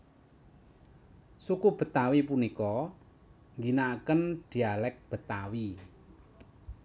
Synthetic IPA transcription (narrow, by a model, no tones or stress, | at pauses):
sukub̥ə̤t̪awipunikɔ | ŋɡinakənd̪̥i̤alɛk̚b̥ə̤t̪awi